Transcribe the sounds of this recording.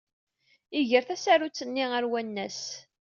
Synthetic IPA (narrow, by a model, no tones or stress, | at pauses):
ɪʝəɾθæsæɾut͡sːənːiəɾwænːæs